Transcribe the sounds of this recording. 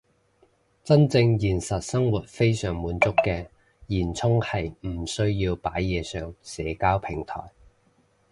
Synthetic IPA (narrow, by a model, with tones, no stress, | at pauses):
t͡sɐ˥nt͡sɪ˧ŋjiː˨˩nsɐ˨t̚sɐ˥ŋwuː˨t̚fe˥jsœː˨˩ŋmuː˨˥nt͡sʊ˥kːɛː˧ | jiː˨˩nt͡sʰʊ˥ŋhɐ˨jm̩˨˩sɵ˥ɥjiː˧wpaː˨˥jːɛː˨˧sœː˨ŋsɛː˨˥kaː˥wpʰɪ˨˩ŋt̪ʰɔ̰ː˨˩j